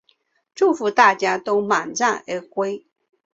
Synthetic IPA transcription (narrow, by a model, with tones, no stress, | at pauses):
ʈ͡ʂu˥˩fu˧˥t̪a˥˩t͡ɕja˥t̪o˥ʊma˨˩nʈ͡ʂa˥˩ŋə˧˥kwe˥ɪ